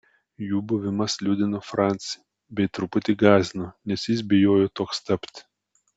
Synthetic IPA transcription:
juːbʊʋʲɪmɐslʲuːd̪ʲɪnoːfɾɑˑnʲt̪sʲɪ | bʲɛɪt̪ɾʊpʊt̪ʲiɡɑːzʲnoːnʲɛsjɪs̬bʲɪjoːjoːt̪oːkst̪ɐpʲt̪ʲ

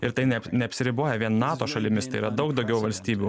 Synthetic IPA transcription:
ɪɾt̪ɐɪnʲɛnʲɛɐpʲsʲɪɾʲɪboːjɛʋʲiɛnnɑːt̪oːʃɐlʲɪmʲɪst̪ɐɪiːɾɐd̪ɐʊkd̪ɒʊɡʲɛʊʋɐlʲsʲt̪ʲiːbʲuː

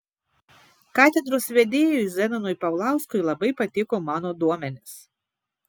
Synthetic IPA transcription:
kɑːt̪ʲɛd̪ɾoːsʋʲɛd̪ʲeːjozʲɛnʲɐnʊɪpɐʊlˠɑˑʊskʊɪlˠɐbɐɪpɐt̪ʲɪkoːmɑːnoːd̪uɔmʲɛnʲɪs

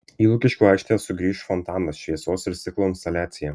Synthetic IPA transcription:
iːlˠʊkʲɪʃʲkʲuːɑɪkʃʲt̪ʲejɛsʊɡɾʲiːʃfɔnt̪ɑːnɐsʃʲʋʲiɛsoːsɪɾsʲɪklˠoːɪnst̪ɐlʲæːt̪sʲɪjɛ

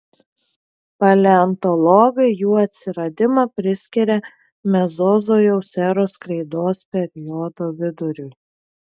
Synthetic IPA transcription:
pɐlʲɛɐnt̪ɔlˠɔɡɐɪjuːɐt̪ʲsʲɪɾɐd̪ʲɪmɑpʲɾʲɪsʲkʲɪɾʲɛ | mʲɛzɔzoːjɛʊsʲɛɾoːskɾɐɪd̪oːspʲɛɾʲjɔːd̪oːʋʲɪd̪ʊɾʲʊɪ

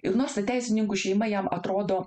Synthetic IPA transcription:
ɪɾnoːɾst̪ɐtt̪ʲæˑɪsʲɪnʲɪŋkuʃʲɛɪmɐjɛmɐ̰t̪ɾoːd̪oː

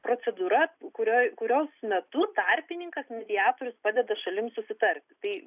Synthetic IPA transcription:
pɾoːsʲɛd̪uːɾɐkʊɾʲoːjkʊɾʲoːsmʲɛt̪ʊt̪ɐrʲpʲɪnʲɪŋkɐsmʲɛd̪ʲɪaːt̪oːɾʲʊspɑːd̪ʲɛd̪ɐʃɐlʲɪmsʊsʲɪt̪ɐɾʲt̪ʲt̪ɐɪ

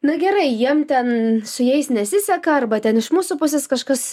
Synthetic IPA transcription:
nʊɡʲɛɾɐɪjiɛmt̪ʲɛnsʊjɛɪsnʲɛsʲɪsʲɛkɐɐrbɐt̪ʲɛnɪʃmuːsuːpʊs̬ʲɛːskɐʃkɐs

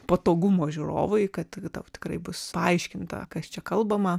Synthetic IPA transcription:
pɐt̪oːɡʊmoːʒʲʊɾo̰ːʋɐɪkɐt̪t̪ɐʊt̪ʲɪ̥krɐɪbʊspɐɐɪʃʲkʲɪnt̪ɐ̰kɐst͡ʃʲɛkɐlˠbɐmɐ

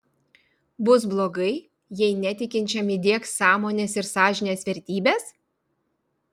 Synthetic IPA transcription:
bʊsblˠoːɡɐɪ | jɛɪnʲɛt̪ʲɪkʲɪnʲt͡ʃʲɛmɪd̪ʲiɛksɑːmoːnʲeːsɪɾsɑːʒʲɪnʲeːsʋʲɛɾʲt̪ʲiːbʲeːs

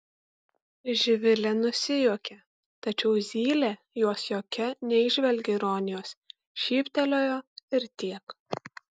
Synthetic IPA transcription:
ʒʲɪʋʲɪlʲɛnʊsʲɪjuɔkʲɛ | t̪ɐt͡ʃʲɛʊzʲiːlʲe | juɔsjoːkʲɛnʲɛɪʒʲʋʲɛlʲɡʲɛɪɾoːnʲɪjoːs | ʃʲiːpʲt̪ʲɛlʲoːjoːɪɾt̪ʲiɛk

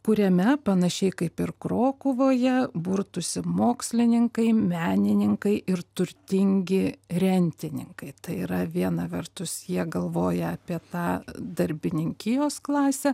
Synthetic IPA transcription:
kʊɾʲɛmʲɛpɐnɐʃʲɛɪkɐɪpɪrkɾoːkʊʋoːjɛbʊɾt̪ʊsʲɪmoːksʲlʲɪnʲɪŋkɐɪmʲæːnʲɪnʲɪŋkɐɪʔɪrt̪ʊɾʲt̪ʲɪŋʲɡʲɪɾʲɛnʲt̪ʲɪnʲɪ̰ŋkɐɪt̪ɐɪiːɾɐʋʲiɛnɐʋʲɛrt̪ʊsjiɛɡɐlˠʋoːjɛɐːpʲiɛt̪ɑːd̪ɐɾʲbʲɪnʲɪŋʲkʲɪjoːsklˠɑːsʲɛ

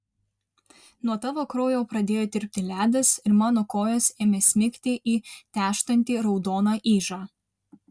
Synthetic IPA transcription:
nuɔt̪ɑːʋoːkɾoːjoːpɾɐd̪ʲeːjoːd̪ʲɪɾʲpʲt̪ʲɪlʲæːd̪ɐsɪɾmɑːnokoːjoːseːmʲɛsʲmʲɪkʲt̪ʲɪʔiːt̪ʲæːʃt̪ɐnʲt̪ʲiːɾɒʊd̪oːnɑːʔiːʒɑː

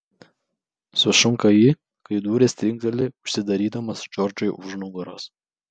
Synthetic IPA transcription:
sʊʃʊŋkɐji | kɐɪd̪uːɾʲeːsʲt̪ʲɾʲɪŋk̚d̪ɐlʲɪʊʃʲsʲɪd̪ɐɾʲiːd̪ɐmɐsd͡ʒɔɾd͡ʒojʔʊʒnʊɡɐɾos

